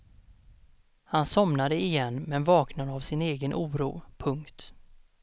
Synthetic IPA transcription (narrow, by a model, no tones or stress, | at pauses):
hansɔmnad̪əɪjɛnːmɛnvɑːknad̪əavsɪneːɡənʔuːɾṵːpʰɵŋkt̪